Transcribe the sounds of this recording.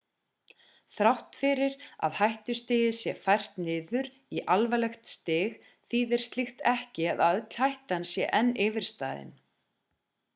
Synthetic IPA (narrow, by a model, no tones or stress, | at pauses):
θɾawht̪fɪɾɪɾa̰ðhajht̪ʏ̥st̪ɪːjɪsjɛfajr̥t̪nɪːðʏɾ | iʔalvalɛxt̪st̪ɪːɣ | θiðɛɾ̥st̪lixt̪ɛhcɪaðaœt̪l̥hajht̪aansjɛ̰ʔɛnːɪːvɪɾ̥st̪a̰ːðɪ̰n